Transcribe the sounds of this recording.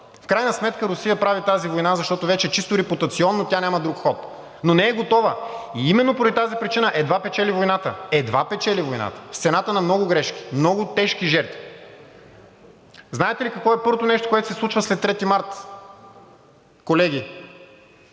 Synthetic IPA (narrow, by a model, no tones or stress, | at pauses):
fkɾajnəsmɛt̪kəɾʊsijəpɾavit̪azivojnazɐʃt̪ɔt̪ʊvɛt͡ʃɛt͡ʃist̪ʊɾɛput̪ɐt̪siɔnːot̪ʲjanʲamɐd̪ɾukxɔt̪ | nonɛːɡot̪ɔvəiimɛnːopɾd̪ʲit̪azipɾit͡ʃinəʔɛd̪vapɛt͡ʃɛlivojnat̪əɛd̪vapɛt͡ʃɛlivojna̰t̪ə̥fsɛnat̪ənɐmnɔɡʊɡɾɛʃki̥mnɔɡʊt̪ɛʃk̟iʒɛɾt̪vi | znaɛt̪ɛlikɐkvɔɛpɤɾvot̪onɛʃt̪o̥koɛt̪o̥sɛsˠut͡ʃvəslɛt̪ːɾɛt̪imaɾt̪ | kolɛɡ̟ʲi